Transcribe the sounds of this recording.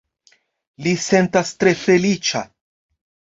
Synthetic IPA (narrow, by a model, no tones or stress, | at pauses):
lise̞ntastɾe̞fe̞lit͡ʃa̰